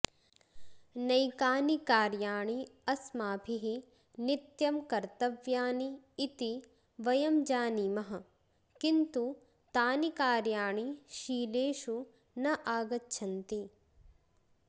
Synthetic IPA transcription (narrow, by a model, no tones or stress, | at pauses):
nɐjkaːnikaːɾjaːɳiɐsmaːpʰiɦi | nit̪jɐmkɐɾt̪ɐʋjaːniː | t̪i | ʋɐjɐmd͡ʒaːniːmɐɦɐ̆ | kint̪u | t̪aːnikaːɾjaːɳiʃiːleːʃu | nɐʔaːɡɐtːʃʰɐnt̪i